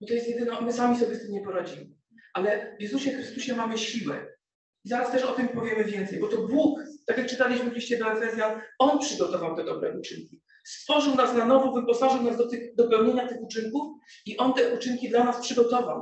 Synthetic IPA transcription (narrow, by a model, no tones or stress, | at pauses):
bɔt̪ɔjɛst̪jɛd̪ɘnɔmɘsamʲis̬ɔbʲjɛst̪ɘmɲɛpɔɾad͡ʑimɘ | ʔalɛvjɛzuɕɛfxɾɘst̪uɕɛmamɘɕiwɛ̰ | izaɾast̪ɛʂɔt̪ɘmpɔvʲjɛmɘvʲjɛnt̪sɛjbɔt̪ɔbwukt̪akʲjak̚t͡ʂɘt̪alʲiɕmɘvʲiɕt͡ɕɛd̪ɔɛfɛzʲjanɔnpʂɘɡɔt̪ɔvawt̪ɛd̪ɔbɾɛ̰ʔut͡ʂɘŋkʲi | st̪fɔʐɨwnasnanɔvɔvɨpɔsaʐɨwnasd̪ɔt̪ɘxd̪ɔpɛwɲeɲat̪ɘxut͡ʂɘŋkufiʔɔnt̪ɛʔut͡ʂɘŋkʲid̪lanaspʂɘɡɔt̪ɔvaw